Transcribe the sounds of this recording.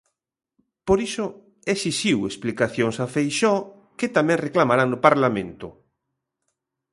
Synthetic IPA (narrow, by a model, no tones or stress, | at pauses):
poɾiso | esisiwesplikaθjoŋsafejʃɔ | kɪt̪amɛ̃ŋreklamaɾaŋnʊpaɾlamẽnt̪ʊ̰